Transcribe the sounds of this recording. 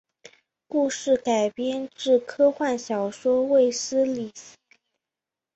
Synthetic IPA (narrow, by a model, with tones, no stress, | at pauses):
ku˥˧ʂɻ̩˥˩ka˨˩ɪpjɛ˥nʈ͡ʂɻ̩˥˩kʰɤ˥xwa˥˩nɕjɑ˨˩ʊʂwɔ˥we˥˩ɪsɹ̩˥li˨˩s̩˥˩